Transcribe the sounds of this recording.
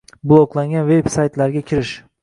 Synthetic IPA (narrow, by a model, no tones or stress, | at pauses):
blˠoklˠaŋɡʲanve̞bsajt̪laɾɡʲakʲʰɪɾɪʃ